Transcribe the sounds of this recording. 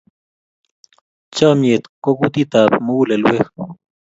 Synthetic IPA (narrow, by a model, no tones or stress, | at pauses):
t͡ʃamjet̪kokut̪it̪apmulelwex